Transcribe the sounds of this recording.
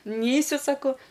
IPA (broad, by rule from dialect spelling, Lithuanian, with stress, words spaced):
ˈnʲɛɪsʲʊ ˈsɑːkoː